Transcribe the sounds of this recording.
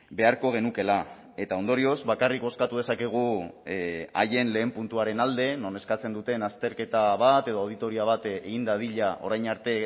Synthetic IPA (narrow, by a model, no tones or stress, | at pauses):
be̞aɾko̞ɣe̞nuke̞la | e̞t̪ao̞nd̪o̞ɾio̞zβakarikbo̞skat̪uð̞e̞sake̞ɣ̞u | a̰je̞nle̞ːmpunt̪uaɾe̞nald̪e̞no̞ne̞skat͡se̞nd̪ut̪e̞nast̪e̞ɾke̞t̪aβ̞at̪e̞ð̞ooð̞it̪o̞ɾiaβ̞at̪eɣind̪að̞iʎaʔo̞ɾajnaɾt̪e̞